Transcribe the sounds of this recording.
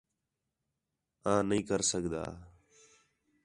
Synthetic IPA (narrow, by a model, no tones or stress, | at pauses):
ãːnəĩːkəɾsəɡd̪a̰ː